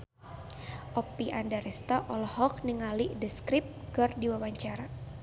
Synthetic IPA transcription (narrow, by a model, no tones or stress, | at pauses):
ʔɔpiʔandaɾɛst̪ɔʔɔlɔhɔk̚niŋaliʔdəskɾip̚ɡɔrdiwawaɲt͡ʃaɾa